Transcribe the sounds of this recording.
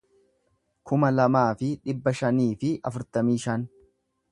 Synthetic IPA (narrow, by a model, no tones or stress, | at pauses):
kʊmɐlɐmaːfɪᶑɪbːɐʃɐniːfɪʔɐfʊɾt̪ɐmiːʃɐn